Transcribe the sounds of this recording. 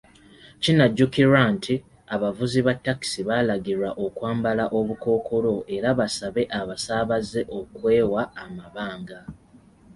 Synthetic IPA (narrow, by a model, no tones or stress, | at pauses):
cinaɟːukiɾwantʰi | aβavuziβatːaki̥siβalaɡiɾwaʔo̞kwaːmbalaʔo̞βuko̞ːkʰo̞lo̞ʔe̞ɾaβasaβe̞ʔaβasaːβaze̞ʔo̞kwe̞ːwaːmaβaːŋɡa